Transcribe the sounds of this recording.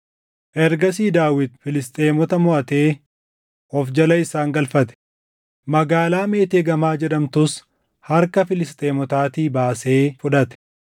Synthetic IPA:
ʔɛɾɡɐs̬iːd̪aːwɪd̪fɪlɪst̪ʼeːmɔt̪ɐmʊʔɐt̪e̞ː | ɔfd͡ʒɐlɐɪsaːŋɡɐlfɐt̪ɛ̥ | mɐɡaːlaːme̞ːt̪eːɡɐmaːd͡ʒɛᶑɐmt̪ʊs | hɐɾkɐfɪlɪst̪ʼeːmɔt̪aːt̪iːbaːse̞ːfʊᶑɐt̪ɛ̥

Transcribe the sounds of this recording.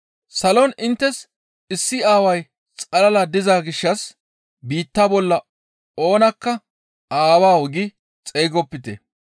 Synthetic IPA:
sɐlɔnɪnt̪ːɛs | ɪsːɪaːwɐj | t͡sʼɐlɐlɐd̪ɪzaːɡɪʃːɐs | biːt̪ːabɔlːɐ | o̞ːnɐkːɐ | aːwaːwɔɡɪ | t͡sʼeːɡɔpːɪt̪ɛ̰

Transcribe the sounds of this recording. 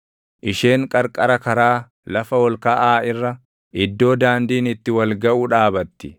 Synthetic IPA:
ʔɪʃe̞ːŋkʼɐɾkʼɐɾɐkɐɾaː | lɐfɐwɔlkɐʔaːɪrːɐ | ɪd̪ːo̞ːd̪aːnd̪iːnɪt̪ːɪwɐlɡɐʔuᶑaːbɐt̪ːɪ̥

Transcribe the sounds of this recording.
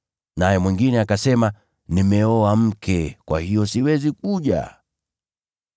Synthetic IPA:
najɛmwiŋɡinɛakasɛma | nimɛɔam̩kʰɛkwa̰hijɔsiwɛzik̚uʄa̰

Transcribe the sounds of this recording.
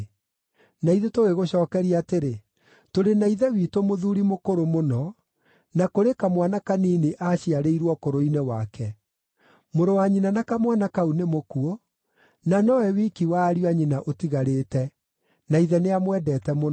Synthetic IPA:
naiðetoɣeɣoɕɔːkɛɾiateɾe | toɾenaiðɛwiːtomoðuːɾimokoɾomonɔ | nakoɾekamwanakaniːneʔaɕiaɾeiɾwɔkoɾoinɛwakɛ | moɾowaɲinanakamwanakaunemokuo | nanɔwɛwikiwaːɾiwaɲinaʔotiɣaɾeːtɛ | naiðɛneamwɛdɛːtɛmon

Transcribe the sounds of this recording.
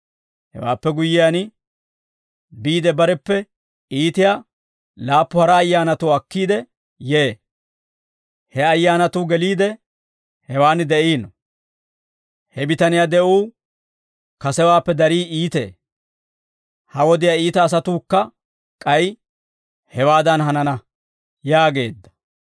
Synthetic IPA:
hɛ̰wa̰ːpːɛɡʊjːɪjanɪ | biːd̪ɛbɐɾɛpːɛ | iːt̪ɪja | laːpːʊhɐɾɐːjːaːnɐt̪uɐkːiːd̪ɛ | jeː | hɛɐjːaːnɐt̪uːɡɛliːd̪ɛ | hɛwaːnd̪ɛʔiːnːɔ | hɛbɪt̪ɐnɪjad̪ɛʔuː | kɐsɛwaːpːɛd̪ɐɾiːiːt̪ḛː | hɐwɔd̪ɪjaiːt̪ɐːs̬ɐt̪uːkːɐ | kʼɐj | hɛwaːd̪ɐnɦɐnɐnɐ | jaːɡe̞̰ːd̪ːɐ̥

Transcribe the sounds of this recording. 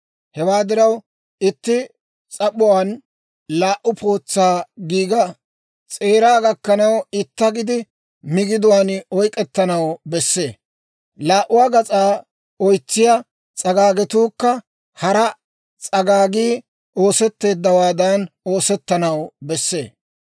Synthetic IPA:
hɛwaːd̪ɪɾɐw | ɪt̪ːɪ | t͡sʼɐɓʊwan | laːʔʊpʰo̞ːt͡sːaːɡiːɡɐ | t͡sʼe̞ːɾaːɡɐkːɐnɐwɪt̪ːɐɡɪd̪ɪ | mɪɡɪd̪ʊwaːnɔjkʼɛt̪ːɐnɐwbɛsːe̞̰ː | laːʔʊwaːɡɐt͡sʼaː | ɔjt͡sːɪjɐ | t͡sʼɐɡaːɡɛt̪uːkːɐ | hɐɾɐ | t͡sʼɐɡaːɡiː | o̞ːsɛt̪ːe̞ːd̪ːɐwaːd̪aːno̞ːsɛt̪ːɐnɐwbɛsːe̞̰ː

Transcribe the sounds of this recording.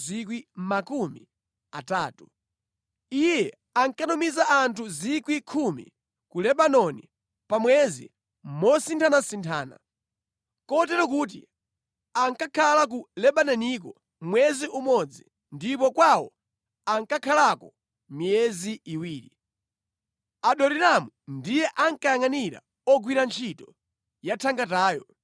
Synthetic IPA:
zik̬wimakumḭ | ataːtu | ijɛ | aŋkanumizaʔantʰuzikwikʰumḭ | kulɛɓanɔni | pamwɛzḭ | mɔsintʰanasintʰaːna̰ | kɔt̬ɛɾɔk̬uːt̬ḭ | aŋkakʰalak̬ulɛɓanɛnik̬ɔ | mwɛziumɔd͡zi | ndipɔkwawɔ | aŋkakʰalakɔ | mijɛziiwiːɾi | aɗɔɾiɾamundijɛʔaŋkajaŋaniɾa̰ | ɔɡwiɾant͡ʃʰitɔ | jatʰaŋɡataːjɔ

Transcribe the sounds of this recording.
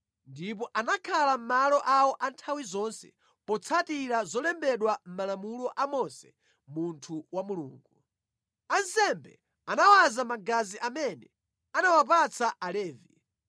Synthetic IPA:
ndip̬ɔʔanakʰalam̩malɔʔawɔʔantʰawizɔnsɛ̰ | pɔt͡sʰatiɾazɔlɛmbɛɗwam̩malamulɔʔamɔnsɛ̰ | muntʰuwamulṵːŋɡu | ansɛmbɛ̰ | anawazamaɡaziʔamɛnɛ | anawap̬at͡sʰaʔalɛːvḭ

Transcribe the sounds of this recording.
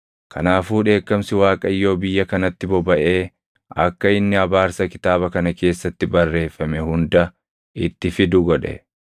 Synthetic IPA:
kʰɐnaːfuːᶑe̞ːkːɐmsɪwaːkʼɐjːo̞ːbɪjːɐkɐnɐt̪ːɪbɔbɐʔe̞ː | ɐkːɐɪnːɪɐbaːɾsɐkɪ̥t̪aːbɐkɐnɐke̞ːsːɐt̪ːɪbɐrːe̞ːfːɐmɛhʊnd̪ɐ | ɪt̪ːɪfɪd̪ʊɡɔᶑɛ̰

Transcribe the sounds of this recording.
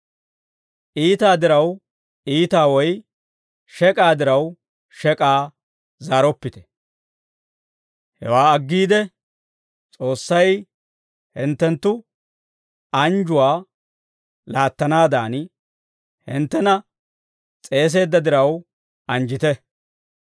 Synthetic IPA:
ʔiːt̪aːd̪ɪɾɐw | iːt̪aːwɔj | ʃɛkʼaːd̪ɪɾɐw | ʃɛkʼaː | zaːɾɔpːɪt̪ɛ̥ | hɛ̰waːɐɡːiːd̪ɛ | t͡sʼo̞ːsːɐj | hɪnt̪ːɛnt̪ːʊ | ɐnd͡ʒʊwaː | laːt̪ːɐnaːd̪aːn | hɪnt̪ːɛnɐ | t͡sʼe̞ːs̬e̞ːd̪ːɐd̪ɪɾɐw | ɐnd͡ʒɪt̪ɛ

